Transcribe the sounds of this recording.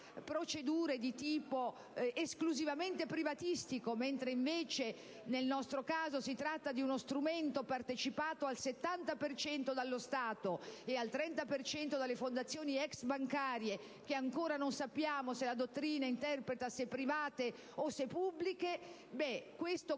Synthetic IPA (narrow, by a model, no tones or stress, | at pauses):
pɾot͡ʃed̪uːɾed̪it̪iːpo | eskluzivament̪epɾivat̪ist̪ikoment̪ɾeiɱveːt͡ʃe | nelnɔst̪ɾokaːzosit̪ɾat̪ːad̪iunost̪ɾument̪opart̪et͡ʃipaːt̪oalset̪ːant̪apert͡ʃɛnt̪od̪alːost̪aːt̪oealt̪ɾɛnt̪apert͡ʃɛnt̪od̪alːefond̪at̪sːjoːniɛksbaŋkaːɾje | k̟eaŋkoːɾanonsapːjaːmoselad̪ot̪ːɾiːnaint̪ɛrpɾet̪asepːɾivaːt̪e | osepubːlike | bɛkwest̪o